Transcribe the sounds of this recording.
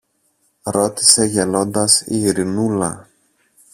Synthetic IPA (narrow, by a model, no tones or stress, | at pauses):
ɾo̞t̪i̥se̞ʝelo̞nd̪ɐsḭːɾinulɐ̰